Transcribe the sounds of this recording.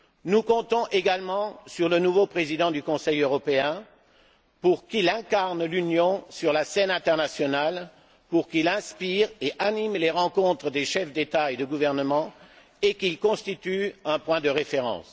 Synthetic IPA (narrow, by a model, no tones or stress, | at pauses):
nukɔ̃t̪ɔ̃ʔeɡalmɑ̃syʁlənuvopχezid̪ɑ̃d̪ykɔ̃sɛjøʁɔpeɛ̃ | puʁkilɛ̃kaʁnlynjɔ̃syʁlasɛnɛ̃t̪ɛʁnasjɔnal | puʁkilɛ̃spiʁeʔanimleʁɑ̃kɔ̃t̪χəd̪eʃɛfd̪et̪aed̪əɡuvɛʁnəmɑ̃ | ekilkɔ̃st̪it̪yɛ̃pwɛ̃d̪əʁefeʁɑ̰̃s